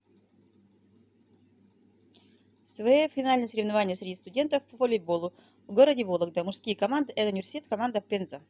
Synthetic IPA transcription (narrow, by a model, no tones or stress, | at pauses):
svɐjofʲɪnalʲnəjəsəɾʲɪvnɐvanʲɪjəsɾʲɪdʲist̪ʊdʲe̞nt̪əfpəvolʲɪbolˠʊ | vɡoɾədʲɪvolˠəɡ̚d̪əmʊʂskʲijkɐmand̪ɨʔɛt̪əʊnʲɪvʲɪrsʲɪtʲet̪kɐmand̪əpʲenzə